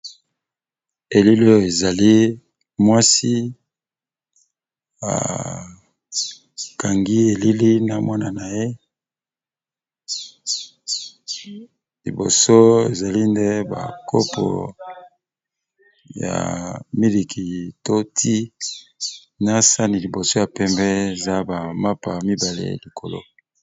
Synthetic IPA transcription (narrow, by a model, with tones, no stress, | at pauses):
e˨li˦lo˦jo˨e˨za˨li˦ | mwa˦si˦ | a̰˨ | ka˨ŋɡi˦e˨li˦li˦na˨mwa˦na˨na˨je˦ | lḭ˨bo̰˨so˦e˨za˨li˦nde˦ba̰˨kʰo˦pʰo̰˨ | ja̰˨mi˦li˨kʰi˨to˦tʰi˦ | na˦sa˦ni˨li˨bo˨so˦ja˨pɛ˦mbɛ˦e˨za˦ba˨ma˦pa˨mi˦ba˨lḛ˦li˨kʰo˨lo̰˦